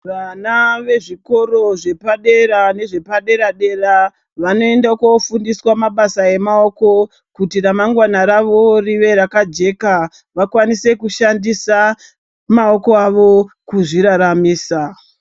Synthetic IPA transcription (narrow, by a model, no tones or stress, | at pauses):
ʋanaʋe̞ʐiko̞ɾo̞ʐe̞paɗe̞ɾane̞ʐe̞paɗe̞ɾaɗe̞ra | ʋano̞e̞ndaukofundiswamaɓasae̞mao̞ko̞ | kutiramaŋɡwanaɾaʋoriʋe̞ɾakad͡ʒe̞ka | ʋakwanise̞kuʃandisa | mao̞koaʋo̞kuʐiɾaɾamiːsa